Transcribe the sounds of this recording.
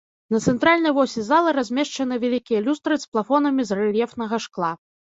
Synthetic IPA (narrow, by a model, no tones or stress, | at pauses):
nɐt̪sɛnt̪ɾalʲnɐjvɔsʲɛzalˠɨɾazʲmʲɛʂt͡ʂɐnɨvʲalʲikʲijɐlʲust̪ɾɨsplˠafɔnɐmʲizrɛlʲjɛfnɐɣɐʂklˠa